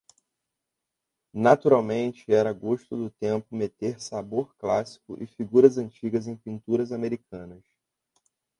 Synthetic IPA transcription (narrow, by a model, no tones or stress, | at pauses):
nat̪uɾawmẽnt͡ʃɪɛɾɐɡoʃt̪ʊd̪ʊt̪ẽmpʊmet̪eɾsaboɾklasi̥kʊ̰ʔɪfiɡuɾɐzɐ̃nt͡ʃiɡɐzẽj̃pĩnt̪uɾɐzameɾikɐ̃nɐs